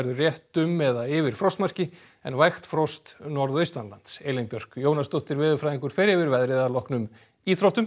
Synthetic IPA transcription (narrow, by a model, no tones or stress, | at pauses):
ɛɾðʏrjɛht̪ʏmːɛðaɪvɪɾ̥fɾɔwst̪mar̥cɪ | ɛ̰nvajxt̪fɾɔst̪nɔɾðœjst̪anlant̪sejlɪnpjœr̥kjoːwnast̪owht̪ɪɾvɪːðʏfɾajðiŋkʏɾ̥fɪɾɪvɪɾvɛðɾɪðalɔhknʏm | iθɾowht̪ʏm